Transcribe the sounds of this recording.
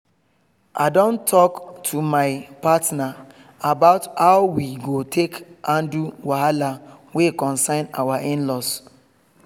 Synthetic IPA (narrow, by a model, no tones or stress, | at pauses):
ʔa̰dɔ̃ntʰɔktʰumaɪpatna | abaʊthaʊwiɡotʰekãnduwahalawekɔ̃nsãɪ̃na̰waʔẽnlɔs